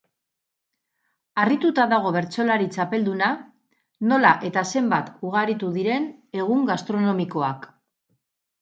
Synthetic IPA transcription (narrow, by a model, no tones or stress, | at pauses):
arit̪ut̪aðaɣ̞o̞β̞e̞ɾt͡so̞laɾit͡sape̞ld̪una | no̞laʔe̞t̪ase̞mbat̪uɣaɾit̪uðiɾe̞ne̞ɣuŋɡast̪ɾo̞no̞miko̞ak